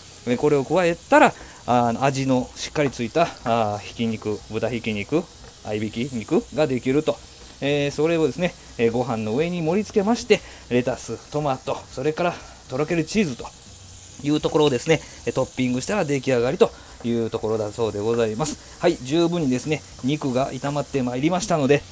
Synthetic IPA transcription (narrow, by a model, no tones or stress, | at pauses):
eko̞ɾe̞o̞kɯ̟βae̞t̪ːaɾa | no̞̰aʑino̞ɕi̥kːaɾʲit͡sɨit̪açi̥kʲiɲ̟ikɯ̟bɯ̟t̪açikʲiɲ̟ikɯ̟ | a̰ibʲikʲiɲikɯ̟ɡad̪e̞kʲiɾɯ̟t̪o̞ | eːso̞ɾe̞o̞d̪e̞sɨne̞ | eɡo̞ɦãnːo̞ɯ̟e̞ɲ̟imo̞ɾʲit͡sɨ̥ke̞maɕi̥t̪e̞ | ɾe̞t̪asɨt̪o̞mat̪ːo̞so̞ɾe̞kaɾa | t̪o̞ɾoke̞ɾɯ̟t͡ɕiːzɨt̪o̥ | jɯ̟ːt̪o̞ko̞ɾo̞ːd̪e̞sɨne̞ | t̪o̞pʲːĩŋɡɯ̟ɕi̥t̪aɾad̪e̞kʲiaɡaɾʲit̪o̞ | jɯ̟ːt̪o̞ko̞ɾo̞d̪aso̞ːd̪e̞ɡo̞zaimasɨ̥ | haid͡ʑɨːbɯ̟̃ɲ̟ːid̪e̞sɨne̞ | ɲ̟ikɯ̟ɡait̪amat̪ːe̞maiɾʲimaɕi̥t̪ano̞d̪e̞